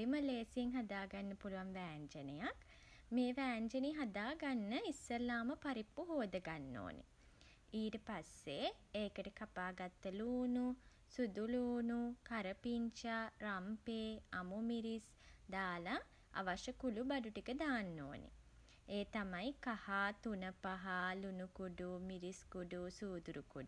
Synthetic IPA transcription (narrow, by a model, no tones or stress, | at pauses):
iməleːsieŋɦad̪aːɡanːəpuluʋanʋæːɲt͡ʃənəjak | meːʋæːɲd͡ʒəniɦad̪aːɡanːəisːəlaːməpaɾipːuɦoːd̪əɡanːo̰ːnḛ | iːʈəpasːeeːkəʈəkapaːɡat̪ːəluːnu | sud̪uluːnukaɾəpiɲt͡ʃarampeːamumiɾis | d̪aːla | a̰ʋaʃəkulubaɖuʈikəd̪aːnːo̰ːnḛ | eːt̪amajkahat̪unəpaɦalunukuɖumiɾiskuɖusuːd̪uɾukuɖu